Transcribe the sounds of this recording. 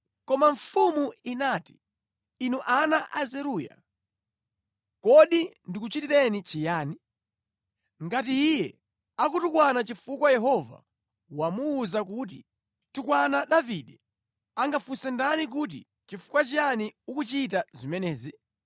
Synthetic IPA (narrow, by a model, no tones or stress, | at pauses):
kɔmaɱfumuinati̥ | inuʔanaʔazɛɾuːja̰ | kɔɗindikut͡ʃitiɾɛnit͡ʃijaːni | ŋɡatiːjɛ | akutukwanat͡ʃifukwajɛɦɔva̰ | wamuːzak̬ut̬i | tukwanaɗaviɗɛ | aŋɡafusɛndanik̬ut̬ḭ | t͡ʃifu̥kwat͡ʃijaniukut͡ʃit̬azimɛnɛːzi